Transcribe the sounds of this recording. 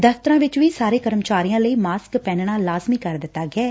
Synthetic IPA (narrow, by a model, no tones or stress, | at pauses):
d̪əft̪əɾãːʋɪt͡ʃʋiːsaːɾeːkəɾəmt͡ʃaːɾijãːləiːmaːskpɛ̃ːnɳaːlaːzmiːkəɾd̪ɪt̪ːaːɡɪɛː